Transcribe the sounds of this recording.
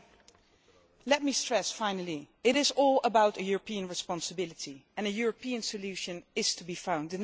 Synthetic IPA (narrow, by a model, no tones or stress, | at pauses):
lɛt̚mistɹ̥ɛsfãɪ̃nəlˠi | ɪɾɪzɔlˠəbaʊɾɨjʊɹəpʰiɨ̃nɹɨspɑ̃nsəbɪlˠɨtʰiɨ̃nɨjʊɹəpiɨ̃nsɨljʉʃɨ̃nɪz̥tʰəbifãʊ̃ndɨ̃n